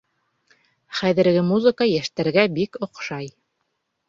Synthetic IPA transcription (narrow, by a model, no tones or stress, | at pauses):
χæðɘ̆ɾɡɘmuzəkajæʃt̪æɾɡæbikŏqʃɑj